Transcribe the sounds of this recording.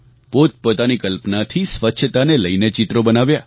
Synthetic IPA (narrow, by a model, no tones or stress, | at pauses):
pot̪̚pot̪anikəlpnat̪ʰisʋətːʃʰət̪aneləinet͡ʃit̪ɾobənaʋja